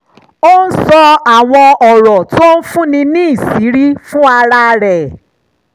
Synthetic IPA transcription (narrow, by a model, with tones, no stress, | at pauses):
o˦n̩˦sɔ˧a˦˨w̃ɔ̃˧ɔ˨ɾɔ˨to˦o˦n̩˦fũ˦nĩ˧nĩ˦i˦˨si˨˦ɾi˦fũ˦a˧ɾa˧ɾɛ˨